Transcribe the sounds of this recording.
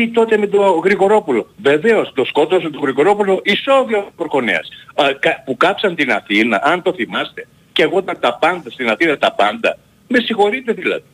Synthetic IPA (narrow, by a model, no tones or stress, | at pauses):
it̪o̞t̪e̞me̞t̪o̞ɣɾiɣo̞ɾo̞pulo̞ve̞ve̞o̞st̪o̞sko̞t̪osmet̪oɣɾiɣo̞ɾo̞pulo̞ʔiso̞ðiopɾxo̞nḛɐ̰skɐpukɐpsɐnt̪inɐθinɐ̰ʔɐnt̪o̞θimɐst̪e̞ | ceɣot̪ɐnt̪ɐpɐnd̪ɐst̪inɐθinɐt̪ɐpɐnd̪ɐ̰ | me̞sixo̞ɾit̪e̞ðilɐ̰ði̥